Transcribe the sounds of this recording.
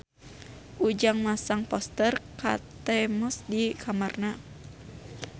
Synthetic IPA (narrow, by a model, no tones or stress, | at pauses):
ʔud͡ʒaŋmasaŋpɔst̪ərka̰t̪ɛmɔsdikʰamarna